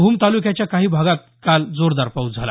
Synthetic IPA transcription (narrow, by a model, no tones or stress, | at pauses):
uːmt̪alukjat͡ɕjakaɦiːbʱaɡat̪̚kald͡zoɾd̪aɾpaud͡zʱala̰